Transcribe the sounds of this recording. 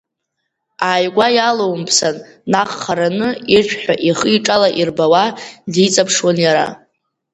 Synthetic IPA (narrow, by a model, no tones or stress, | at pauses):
aːjɡʷajalowmpʰsanː | aχːaɾanɨiʃʷᶣʰħʷᶣaʔiχəiʈ͡ʂʼalaʔirbawadit͡sʼapʰʂwanjaɾa̰